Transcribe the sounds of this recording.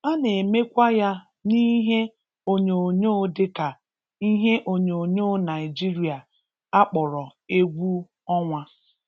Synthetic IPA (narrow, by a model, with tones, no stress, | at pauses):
a˦ne˨me˦kʷa˦ja˦ | ni˦ɦe˦ | o˦ɲe˨o˨ɲoː˦dɪ˦ka˨ | i˦ɦe˦ʔo˦ɲe˨o˨ɲo˦na˨ɪ˨d͡ʒi˦ɾi˦a˨ | a˦k͡pɔ˨ɾɔ˨e˦ɡʷu˦ | ɔ˦ŋʷa˦